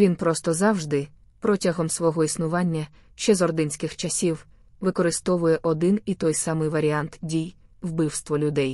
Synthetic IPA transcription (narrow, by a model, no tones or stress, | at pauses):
ʋʲinpɾɔst̪ɔzɑwʒd̪ɪ | pɾɔtʲɐɦɔmsʋɔɦɔisnʊʋɑnʲːɐ | ʃt͡ʃɛzɔrd̪ɪnʲsʲkɪxt͡ʃɐsʲiw | ʋɪkɔɾɪst̪ɔʋʊjɛʔɔd̪ɪnit̪ɔjsɑmɪjʋɐɾʲiɑnt̪dʲijwbɪwst̪ʋɔlʲʊd̪ɛj